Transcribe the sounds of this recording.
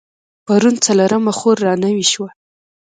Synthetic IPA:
paɾunt͡saloɾamaxoɾːɑnawiʃwa

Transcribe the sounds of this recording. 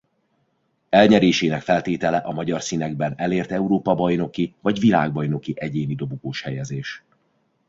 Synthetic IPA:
ɛlɲɛɾeːʃeːnɛkfɛlt̪eːt̪ɛlɛʔɒmɒɟɒrsinɛɡ̚bɛnɛleːrt̪ɛuɾoːpɒbɒjno̞kivɒɟvila̰ːɡ̚bɒjno̞kiʔɛɟeːnid̪o̞bukoːʃhɛjɛzeːʃ

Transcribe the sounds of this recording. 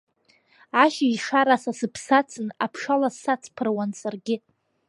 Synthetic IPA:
aʃaiʂaɾasasɨpʰsat͡sʰɨnapʰʂalasːat͡sʰpʰɨrwansarɡʲɪ

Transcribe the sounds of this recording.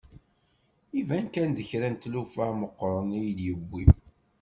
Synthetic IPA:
ivænkænd̪əçɾænt̪lufæməqːɾˤənijd̪jəbːi

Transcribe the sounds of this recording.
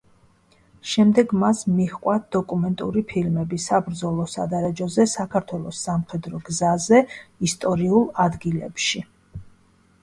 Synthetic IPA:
ʃɛmd̪ɛɡmasmiχqʼwad̪̥ɔkʼumɛnt̪ʼṵɾipʰilmɛbisabɾd̪zɔlˠɔsa̰d̪aɾɛd͡ʒɔzɛsakʰaɾt̪ʰwɛlˠɔsːamχɛd̪ɾɔɡzazɛist̪ʼɔɾiulˠad̪ɡilɛ̰pʃi

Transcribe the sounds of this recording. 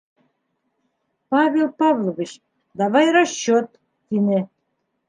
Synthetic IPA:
pɑβʲelpɑβlˠoβʲit͡ɕ | d̪ɑβɑjɾɑɕːot̪ː | inĕ

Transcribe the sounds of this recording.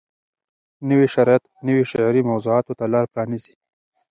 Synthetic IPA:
nəwiʃaɾɑjat̪nəwiʃaʕɾimɐwzuɑːt̪ot̪alɑɾpɾɑnizi̥

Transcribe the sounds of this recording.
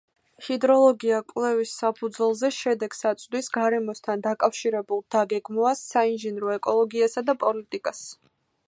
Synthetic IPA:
hid̪ɾɔlˠɔɡiakʼwlɛvisːapʰud̪zwɛlˠzɛʃɛd̪ɛɡ̥sat̪sʼd̪wisɡaɾɛmɔst̪ʰand̪akʼafʃiɾɛbulˠd̪̥aɡɛɡmɔasːainʒɛnɾɔɛkʼɔlˠɔɡiasad̪apʼɔlit̪ʼikʼas

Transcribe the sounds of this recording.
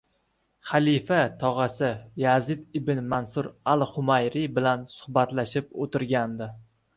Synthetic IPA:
χalifat̪ʰɒʁɑsɪjazɪt̪ɪbɪnmansʊɾalˠχʊmajɾɪbɪlansʊ̥hbat̪laʃɪpot̪ɪɾɡʲand̪ɪ

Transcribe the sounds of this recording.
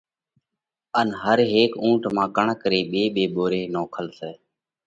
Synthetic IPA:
ənɦəɾɦeːkũːʈmãːkəɳkəɾeːɓeːɓeːɓoːɾeːnoːkʰəlseː

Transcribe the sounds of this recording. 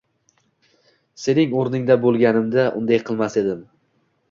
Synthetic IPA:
se̞nɪŋoɾnɪŋd̪abolˠɡʲanɪmd̪aʔʊ̰nd̪ajqʰɨlˠmase̞d̪ɪm

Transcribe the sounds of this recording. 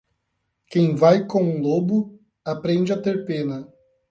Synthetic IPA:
kẽj̃vajkõw̃ũlobʊ | apɾẽnd͡ʒɪat̪eɾpẽnɐ

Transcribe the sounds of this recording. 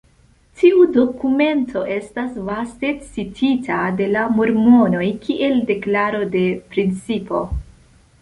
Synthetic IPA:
tiʔudo̞kume̞ntʰo̞ʔe̞stasvaste̞t͡sitʰitʰade̞lamoɾmo̞no̞jkʰiʔe̞lde̞klaɾo̞de̞pɾint͡sipo̞̰

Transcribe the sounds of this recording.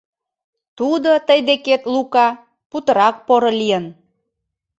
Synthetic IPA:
t̪ud̪ot̪əjd̪eket̪lukɑ | put̪əɾɑk̚poɾolijən

